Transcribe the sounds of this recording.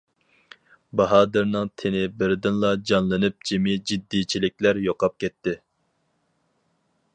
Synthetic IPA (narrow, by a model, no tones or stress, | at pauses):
bɑɦɑːd̪ɨɾnɨŋt̪ʰenɪbɪɾd̪ɪnlˠɑd͡ʒɑnlˠɨnɨp̚d͡ʒemɪd͡ʒid̪ːit͡ʃʰilɪkʲlæɾjoqɑp̚kʲɛt̪ʰːɪ